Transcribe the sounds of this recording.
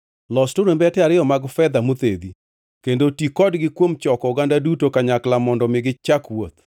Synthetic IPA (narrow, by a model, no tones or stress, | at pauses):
lɔstoɾembɛtɛaɾɪjɔmaɡfɛd̪amut̪ed̪i | kendotikɔdɡɪkwomt͡ʃɔkɔɡandadutokaɲaklamɔndɔmɪɡɪt͡ʃakwot̪